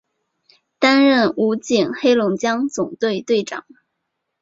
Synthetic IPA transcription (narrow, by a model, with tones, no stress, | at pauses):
t̪a˥nɻə˥˩nu˧˥t͡ɕi˨˩nxe˥ɪlʊ˧˥ŋt͡ɕjɑ˥ŋt͡sʊ˨˩ŋt̪we˥˧ɪt̪we˥˩ɪʈ͡ʂɑ̰˨˩˦ŋ